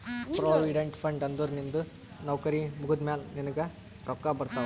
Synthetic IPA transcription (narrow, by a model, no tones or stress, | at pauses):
pɾoːʋiɖeɳʈpʰɐɳɖɐnd̪uɾnind̪u | nɐʋkɐɾimukud̪mjaːlninɐɡɐ | ɾʔɔkːabɐɾt̪aːu